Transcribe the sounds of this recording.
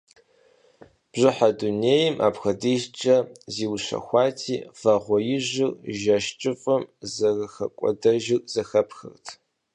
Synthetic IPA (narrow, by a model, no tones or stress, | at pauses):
b̥ʑɪħaduneːjɪmʔa̰ːpxɐdiːʒt͡ʃʼɐziːwɕɐ̰xʷɑːtʰiːv̥ɐʁʷɔjɪʑɪrʒɐʃt͡ʃʼɨfʼɐmzɐrxɐkʷʼɔ̰dɐʒɪkʼz̥ɐxɐpʰxɨ̰rtʰ